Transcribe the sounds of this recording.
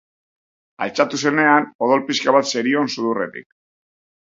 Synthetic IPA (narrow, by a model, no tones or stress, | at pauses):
a̰lt͡sat̪use̞ne̞ano̞ðo̞lpiskaβat̪se̞ɾio̞nsuðure̞̰t̪ḭk